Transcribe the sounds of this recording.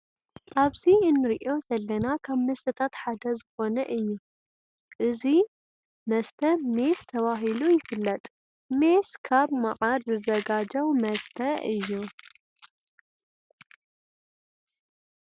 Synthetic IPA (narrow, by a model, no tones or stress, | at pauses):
ʔaβziɨnːɨɾʔo̞zɐlːɐnakʰaβmɐst̪ʰɐt̪ʰat̪ħad̪ɐzɨxo̞nɐʔɨjːu | ʔɨzi | mɐst̪ʰɐme̞st̪ʰɐβaɦilujɪfɨlːɐt̪ʼ | me̞skʰaβmɐʔʼaɾzɨzɐɡad͡ʒɐwmɐst̪ʰɐɨjːu